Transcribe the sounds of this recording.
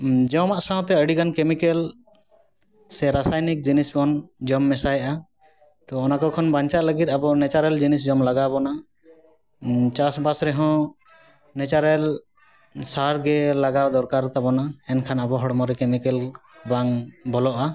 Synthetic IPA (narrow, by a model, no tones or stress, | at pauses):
d͡ʒɔmaʔsãw̃t̪ɛəɖiɡankemikɛl | sɛɾasajnik̚d͡ʒinisbɔnd͡ʒɔmːɛsajʔa | t̪ɔɔnakɔkʰɔnbaɲt͡ʃaʔləɡit̪̚abɔnɛt͡ʃaɾɛld͡ʒinisd͡ʒɔmlaɡabɔna | t͡ʃasbasɾɛɦɔ̃ | nɛt͡ʃaɾɛl | saɾɡɛlaɡawd̪ɔɾkaɾt̪abɔnaɛnkʰanabɔɦɔɽmɔɾɛkemikɛlbaŋbɔlɔʔa